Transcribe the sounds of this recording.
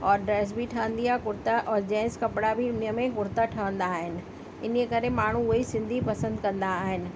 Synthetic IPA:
ɔːɾɖɾɛːs̬bʱiʈʰəʋə̃nd̪iakʊɾt̪aʔɔːɾd͡ʑɛ̃ːɪ̃skɐpɽabʱiʊniəmẽkʊɾt̪aʈʰɐʋə̃nd̪aːɦɪnɪ̆ | ɪnkekɐɾemaːɳ̤uʊɦisɪ̃nd̪ʱipɐsə̃nd̪kɐ̃nd̪aːɦɪnɪ̆

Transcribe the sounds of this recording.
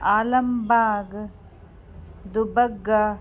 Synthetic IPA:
aːlɐmbaːɡ | d̪ubɐɡːa

